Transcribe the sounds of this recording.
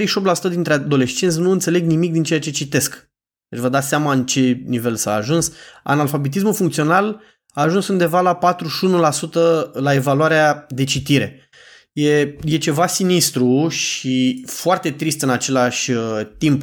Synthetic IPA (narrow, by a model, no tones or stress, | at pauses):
ɾejʃioptlasu̥t̪əd̪int̪ɾead̪o̞le̞st͡ʃent̪ʲnuɨnt̪se̞le̞ɡnimik̚d̪int͡ʃe̞jat͡ʃe̞t͡ʃit̪e̞sk | d̪̥et͡ʃʲvəd̪at̪seamaɨnt͡ʃe̞nive̞lsa̰ːʒunsa̰nalfabet̪is̬mulfuŋkt̪sio̞nal | aːʒunsund̪e̞valapat̪ɾuʃunulasut̪əlae̞valuaɾead̪e̞t͡ʃit̪iɾe̞̰ | je̞je̞t͡ʃe̞vasinist̪ɾuʃifoart̪e̞t̪ɾist̪ɨnat͡ʃe̞laʃʲət̪imp